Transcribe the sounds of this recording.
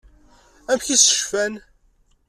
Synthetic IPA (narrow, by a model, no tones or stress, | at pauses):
æmçisə̥ʃfæn